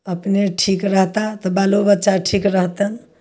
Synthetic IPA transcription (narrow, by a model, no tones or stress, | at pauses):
əpneʈʰikɾəɦt̪at̪ɔbalobətːʃaʈʰikɾəɦt̪ən